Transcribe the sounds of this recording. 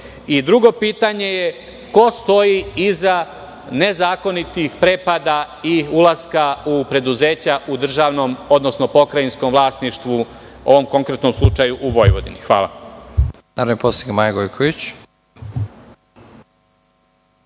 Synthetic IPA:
id̪ɾuɡo̞piːt̪aɲe̞je | ko̞st̪o̞jiiza | ne̞zaːko̞nit̪ixpɾe̞ːpad̪a | iulˠaskaupɾe̞d̪uze̞ːt͡ɕaʔud̪r̩ʒaʋno̞mo̞d̪no̞snopo̞kɾainsko̞mʋlˠaːst̪niʃt̪ʋu | o̞̰ʋo̞mko̞ŋkɾe̞t̪no̞mslˠut͡ʃajuʔuʋo̞jʋo̞̰d̪ḭnixʋa̰ːla̰ | naɾonipost̪iɡamajaɡojkʰoʋit͡ɕ

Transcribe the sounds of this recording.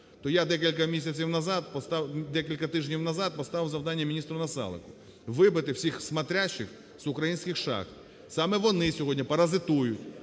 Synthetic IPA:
t̪ɔjad̪ɛkʲilʲkɐmʲisʲɐt͡sʲiwnɐzɑt̪̚pɔst̪ɑd̪ɛkʲilʲkɐt̪ɪʒnʲiwnɐzɑt̪̚pɔst̪ɑʋɪwzɐwd̪ɑnʲːɐmʲinʲist̪ɾʊnɐsɑ̰lˠɪ̰kʊ̥ | ʋɪbɪt̪ɪwsʲixsmɐt̪ɾʲat͡ʃːɪx | z̥ʊkɾɐjinʲsʲkɪxʃɑ̰xt̪ | sɑmɛʋɔnɪsʲɔɦɔdʲnʲipɐɾɐzɪt̪ujʊtʲ

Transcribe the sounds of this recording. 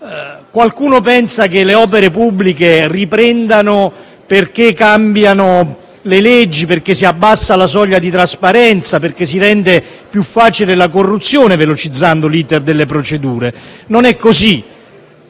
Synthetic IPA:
kwalkuːnopɛnsakeleɔːp̬eɾepubːlikeripɾɛnd̪ano | perk̟ekːambjano | lelɛd͡ʒːiperk̟esːiabːasːalas̬ɔʎːad̪it̪ɾaspaɾɛnt̪saperk̟es̬iɾɛnt̪e | pjufːaːt͡ʃilelak̬orːut̪sjoːnevelot͡ʃid̪zːand̪oliːt̪erd̪elːepɾot͡ʃed̪uːɾenonɛkːosi

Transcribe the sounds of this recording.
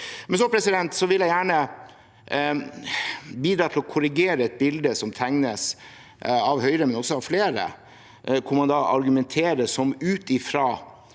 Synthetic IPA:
mɛns̬ɔpʰɾɛsɪd̪ɛnt̪sɔʋɪljæɪjæːɳə | biːd̪ɾɑːt̪ʰlɔkʰʊɾɪɡeːɾəɛt̪̚bɪld̪əsɔmt̪ʰæŋnəs | ɑʋɦœʏɾəmɛnɔsɔɑʋfleːɾə̰ | kʰʊmɑnd̪ɑʔɑ̰ɾɡʉmɛnt̪ʰeːɾəsɔmʉːt̪ɪfɾɑː

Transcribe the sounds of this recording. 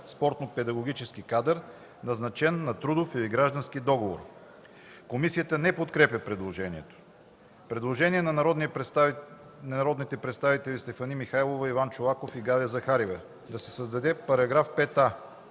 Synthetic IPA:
spɔɾt̪nopɛd̪ɐɡoɡ̟it͡ʃɛsk̟ikad̪əɾ | nɐznɐt͡ʃɛnːɐt̪ɾud̪ofiliɡɾaʒd̪ɐnsk̟id̪ɔɡovo̰ɾ | komisijət̪ənɛpot̪kɾɛpʲjəpɾɛd̪lˠoʒɛniɛt̪o̥ | pɾɛd̪lˠoʒɛniɛnɐd̪ni | nɐnɐɾɔd̪nit̪ɛpɾɛt̪st̪avit̪ɛlʲist̪ɛfɐnimixajlˠovɐivant͡ʃolˠakofiɡad̪əzɐxaɾivə | d̪ɐsɛ̥səzd̪ɐd̪ɛpɐɾɐɡɾafpɛt̪a

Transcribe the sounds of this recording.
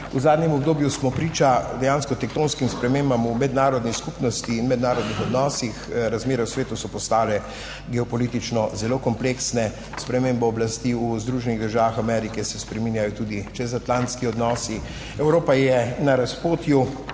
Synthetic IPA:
uzaːd̪nʲjɛmɔbd̪oːbjusmɔpɾiːt͡ʃad̪ɛjaːnskɔt̪ɛk̚t̪oːnskimspɾɛmeːmbamumɛd̪naːɾɔd̪niskupnɔst̪iːnmɛd̪naːɾɔd̪nixɔd̪nɔːsixɾazmeːɾɛusʋeːt̪usɔpɔst̪aːlɛ | ɡɛɔpɔliːt̪it͡ʃnɔzɛloːkɔmpleːksnɛ | spɾɛmeːmbɛɔblast̪iːuzd̪ɾuːʒɛniɣd̪əɾʒaːʋaxamɛɾikɛsɛspɾɛmiːnjajɔt̪uːd̪it͡ʃɛzat̪lãnt̪skiɔd̪nɔːsi | ɛwɾoːpajɛnaɾaspoːt̪ju

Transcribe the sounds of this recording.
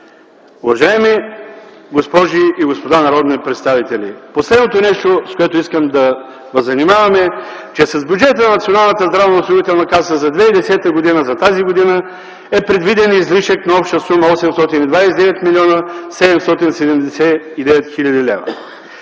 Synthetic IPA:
uvɐʒaɛmi | ɡospɔʒiiɡospod̪anɐɾɔd̪nipɾɛt̪st̪avit̪ɛlḭposlɛd̪not̪onɛʃt̪oskoɛt̪oiskəmd̪ɐ | vəzːɐnimavɐmɛ | t͡ʃɛsɐzbʲjud͡ʒɛt̪ənɐnɐt̪sʲionalˠnət̪əzd̪ɾavnɐʊsˠovit̪ɛlˠnɐkasəzɐd̪vɛid̪ɛsɛt̪əɡod̪inəzɐt̪aziɡod̪inə | ɛpɾɛd̪vid̪ɛnizliʃəknɐɔpʃt̪əsuməɔsɛmst̪ɔt̪inid̪vajsɛd̪ɛvɛt̪miliɔnəsɛd̪ɛmst̪ɔt̪insɛd̪ɛmd̪ɛsɛid̪ɛvɛt̪xilʲɐd̪ilɛ̰vɐ̰

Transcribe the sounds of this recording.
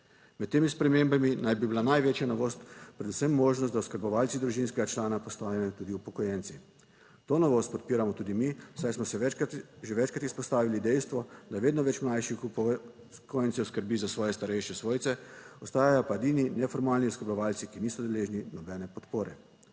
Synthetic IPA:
mɛt̪ːeːmispɾɛmembaminajbibilanajʋeːt͡ʃjanɔʋoːst̪pɾɛd̪usəmːoːʒnɔst̪d̪awskəɾbɔʋaːlt̪sid̪ɾuʒinskɛɡat͡ʃlaːnapɔst̪aːʋijɔt̪uːd̪iupɔkɔjɛnt̪si | t̪oːnɔʋost̪pɔt̪̚piːɾamɔt̪uːd̪imiwsajsmɔsɛʒɛʋɛt͡ʃkɾat̪ispɔst̪aːʋilid̪ɛjst̪ʋɔd̪aʋeːd̪nɔʋɛt͡ʃmnajʃi | kojnsɛuskəɾbizasʋɔːjɛst̪aɾɛjʃɛsʋoːjt̪sɛɔst̪aːjajɔpaed̪iːninɛfɔɾmaːlniuskəɾbɔʋaːlsikiniːsɔd̪ɛleːʒninɔbɛnɛpɔt̪poːɾɛ

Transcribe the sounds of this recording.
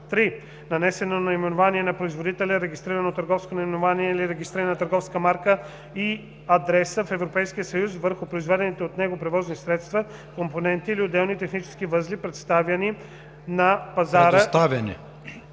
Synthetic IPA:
t̪ɾi | nɐnɛsɛnonɐimɛnovaniɛnɐpɾoizvod̪it̪ɛlʲɛɾɛɡʲist̪ɾiɾənot̪əɾɡɔfskonɐimɛnovaniɛliɾɛɡist̪ɾiɾənɐt̪əɾɡɔfskəmaɾkə | i | ɐd̪ɾɛsəfɛvɾopɛjsk̟iəsəjus̬vəɾxʊpɾoizvɛd̪ɛnit̪ɛot̪nɛɡopɾɛvɔznisɾɛt̪st̪vɐ | komponɛnt̪iːliod̪ɛlˠnit̪ɛxnit͡ʃɛ̥skivəzlipɾɛt̪st̪avjɐni | nɐpɐzaɾəst̪avʲjɐnɛ̰

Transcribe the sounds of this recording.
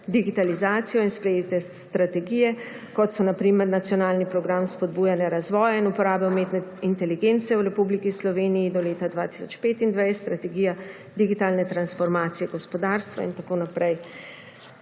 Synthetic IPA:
d̪iɡit̪alizaːt̪sijɔinspɾɛjet̪ɛst̪ɾat̪ɛɡiːjɛ | kɔt̪sɔnapɾiːmɛɾnat̪sjɔnaːlnipɾɔɡɾamspɔd̪buːjanjɛɾazʋɔːjainupɔɾaːbɛwmeːt̪nɛint̪ɛliɡeːnt̪sɛwɾɛpublikislɔʋeːnijid̪ɔleːt̪ad̪ʋaːt̪i̥sɔt͡ʃpeːt̪ind̪ʋajst̪ɾat̪ɛɡiːja | d̪iɡit̪aːlnɛt̪ɾansfɔɾmaːt̪sijɛɡɔspɔd̪aːɾst̪ʋa̰ḭnt̪akoːnapɾɛj

